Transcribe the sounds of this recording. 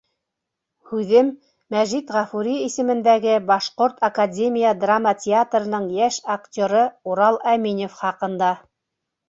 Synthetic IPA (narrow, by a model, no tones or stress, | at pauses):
hʉðɘmː | æʒit̪ʁɑfuɾʲiisɘ̆mɘ̆nd̪æɡɘbɑʃqoɾt̪ʰɐkadʲemʲijəd̪ramətʲɪat̪rɤ̆nɤɴjæʃaktʲoɾɤuɾɑlˠæminofχɑqɤ̆nd̪ɑ